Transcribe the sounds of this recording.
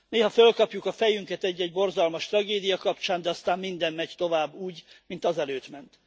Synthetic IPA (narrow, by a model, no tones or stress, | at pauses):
neːɦɒfølkɒpjukɒfɛjyŋkɛt̪ɛɟːɛɟbo̞rzɒlmɒʃt̪rɒɡeːd̪ijɒkɒpt͡ʃaːnd̪ɛɒst̪aːmmind̪ɛmmɛɟt̪o̞vaːbːuːɟmint̪ɒzɛløːt̪mɛnt̪